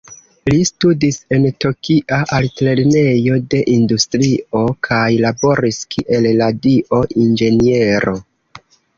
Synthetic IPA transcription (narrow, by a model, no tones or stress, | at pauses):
listudise̞nto̞kiʔaʔaltle̞ɾne̞jo̞de̞ʔindustɾio̞kʰajlabo̞ɾiskʰiʔe̞lladiʔo̞ʔind͡ʒe̞nie̞ɾo̞